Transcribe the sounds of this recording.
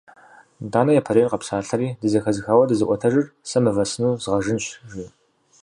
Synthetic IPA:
daːnɐjaːpʰɐɾeːrqɐpsaːɬɐɾiːdɨzɐxɐzɨxaːwɐdɨzɨʔʷɔtʰɐʒɨrsɐmɨvɐsɨnuːzʁɐʒɨnɕʒiː

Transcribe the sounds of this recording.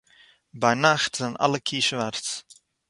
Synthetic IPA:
bɛjnaxtz̥ɛjnʔɑ̰ləkʰiʃʋarts

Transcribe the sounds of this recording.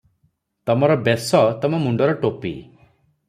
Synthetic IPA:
t̪ɔmɔɾɔbesɔt̪ɔmɔmuɳɖɔɾɔʈopḭ

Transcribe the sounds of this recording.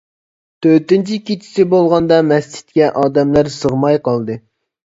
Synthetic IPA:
t̪ʰøɾt̪ɪnt͡ʃʰikʲit͡ʃʰi̥sɪbolˠʁɑnd̪ɑmɛst͡ʃʰi̥t̪̚kʲɛʔɑːd̪ɛmlæɾsəʁmɑjqʰɑlˠd̪ɨ

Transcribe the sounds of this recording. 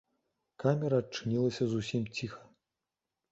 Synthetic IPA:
kamʲɛɾɐːt͡ʂɨnʲilˠɐsʲɐzusʲimt͡sʲixɐ̥

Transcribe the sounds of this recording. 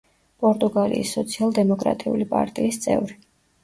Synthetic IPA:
pʼɔɾt̪ʼuɡalḭisːɔt̪sʰialˠd̪ɛmɔkʼɾa̰t̪ʼiulipʼa̰ɾt̪ʼiːst̪sʼɛ̰vɾi

